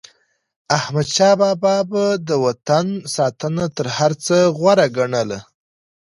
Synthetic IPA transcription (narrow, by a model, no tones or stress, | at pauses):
ahmad̪ʃɑbɑbɑbad̪əwat̪ansɑt̪ənat̪əɾhaɾt͡səɣwaɾaɡaɳəla